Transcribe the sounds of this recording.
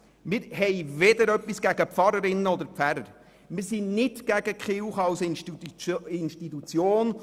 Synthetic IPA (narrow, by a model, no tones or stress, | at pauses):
mɪɾɦɛjved̪əɾœpːisɡ̥æɡəpfɑɾəɾɪnːəɔd̪əɾpfæɾəɾ | mɪɾsinɪtɡ̥æɡ̥əkχɪwχɑwsɪn | ɪnʃtit̪ut͡sjoːn